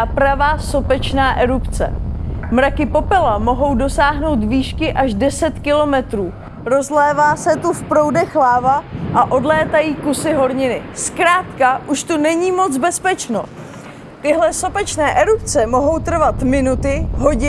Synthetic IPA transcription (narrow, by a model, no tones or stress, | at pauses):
pɾavaːso̞pɛt͡ʃnaːʔɛɾupt͡sɛ̰mɾakɪpo̞pɛlamo̞ɦo̞wdo̞saːɦno̞wt̪viːʃkɪʔaʒdɛsɛt̪kɪlo̞mɛt̪ɾuː | ɾo̞zlɛːvaːsɛt̪ufpɾo̞wdɛxlaːvaʔaʔo̞dlɛːt̪ajiːkusɪɦo̞ɾɲɪnɪskɾaːt̪kaʔuʃt̪unɛɲiːmo̞t͡sbɛspɛt͡ʃno̰ | t̪ɪɦlɛso̞pɛt͡ʃnɛːʔɛɾupt͡sɛmo̞ɦo̞wt̪r̩vat̪mɪnut̪ɪɦo̞ɟɪ